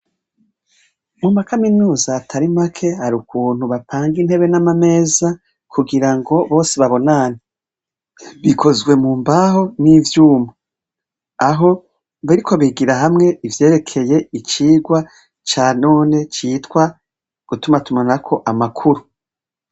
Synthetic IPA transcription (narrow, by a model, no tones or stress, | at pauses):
mumakaminuːzaːtʰaɾimakʰe̞haɾukʰuːn̥huβapʰaːŋɡinhe̞βe̞namame̞ːza | kʰuɡiɾaŋɡo̞βo̞ːseβaβo̞naːni | βikʰo̞zɡwe̞muːmbaho̞nivjuːmu | aɦo̞ | βiɾikʰo̞βiɡiɾaɦamŋe̞ivje̞ːɾe̞kʰe̞je̞it͡ʃiːɡwa | t͡ʃaːno̞ːne̞t͡ʃiːtwa | ɡ̥utumatumanakʰo̞ʔamakʰuɾu